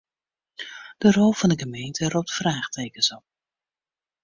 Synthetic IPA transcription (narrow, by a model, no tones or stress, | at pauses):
d̥ərɔlˠv̥ɑndəχəmejntʰərup̚tfraːχtejkənsɔp̚